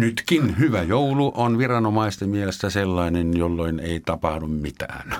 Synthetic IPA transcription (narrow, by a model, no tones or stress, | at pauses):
nyt̪kinhyʋæjouluʔonʋirɑnomɑˑist̪emmielest̪æselːɑˑinenjolːoineˑit̪ɑpɑhdummit̪æ̰ːn